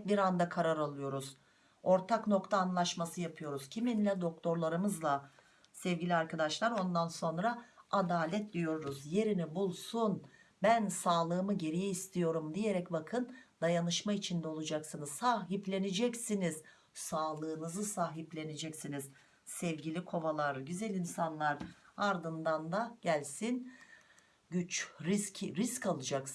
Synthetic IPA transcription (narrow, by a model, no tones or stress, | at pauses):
biɾand̪akʰaɾaɾalˠɯjo̞ɾuz | o̞ɾt̪ʰakno̞kt̪ʰaːnlˠaʃmasɯjapʰɯjo̞ɾuz̥cʰiminlʲɛd̪o̞k̚t̪ʰo̞ɾlˠaɾɯmɯzlˠa | sɛvɟʲilʲiaɾkʰad̪aʃlˠaɾo̞nd̪anso̞nɾaad̪aːlʲɛt̪̚d̪ijo̞ɾuɾuzje̞ɾinibulˠsun | bænsaːlˠɯːmɯɟe̞ɾijɛist̪ʰijo̞ɾumd̪ije̞ɾɛcbakʰɯnd̪ajanɯʃmait͡ʃʰind̪ɛo̞lˠud͡ʒaksɯnɯzsaːɦiplʲe̞ned͡ʒɛcsiniz̥ | saːlˠɯːnɯzɯsaːɦiplʲe̞ned͡ʒɛcsiniz | sɛvɟilʲikʰo̞valˠaɾɟyzɛlʲinsanlˠaɾaɾd̪ɯnd̪and̪aɟ̥ælʲsin | ɟyt͡ʃɾiscʰɾiskalˠɯd͡ʒak